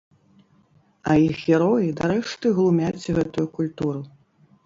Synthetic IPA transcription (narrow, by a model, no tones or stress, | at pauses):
ɐjixɣʲɛɾɔjid̪aɾɛʂt̪ɨɣlˠumʲat͡sʲɣɛt̪ujukulʲt̪uɾɨ